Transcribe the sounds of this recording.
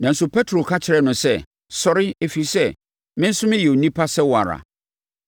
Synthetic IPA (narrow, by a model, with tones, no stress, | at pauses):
nã˨n̩˦sʊ˦pʰɛ˦tʰɾo˨kʰa˦t͡ɕʰɪ˨ɾɛ˦˨nʊ̃˨sɛ˦ | sɔ˨ɾɪ˦e˨fi˨sɛ˦˨ | mɪ̃˦n̩˦sʊ˦mɪ̃˦jɛ˨o˨nĩ˦pʰa˦sɛ˦wa˨ɾa̰˨